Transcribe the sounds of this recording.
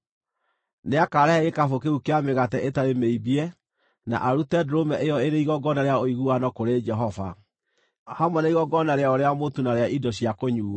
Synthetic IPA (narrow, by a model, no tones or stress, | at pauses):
neakaɾɛhɛɣekafokeukeameɣatɛʔetaɾemeibiɛ | na̰ʔaɾutɛdoɾomɛʔejɔeɾeiɣɔɡɔnaɾeaoiɣuanɔkoɾed͡ʒɛɦɔva̰ | hamwɛnaiɣɔɡɔnaɾeaoɾeamotunaɾeaʔidɔɕiakoɲuː